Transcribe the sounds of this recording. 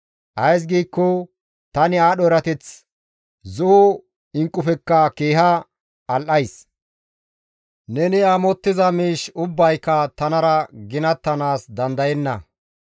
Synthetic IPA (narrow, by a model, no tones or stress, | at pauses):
ʔɐjs̬ɡiːkːɔ | t̪ɐnɪaːɗɔɛɾɐt̪ɛt͡s | zʊʊ | ɪŋkʼːʊfɛkːɐkeːɦɐ | ɐlʔɐjs | nɛnɪaːmɔt̪ːɪzɐmiːʃʊbːɐjkːɐt̪ɐnɐɾɐɡɪnɐt̪ːɐnaːsd̪ɐnd̪ɐjɛnːɐ̰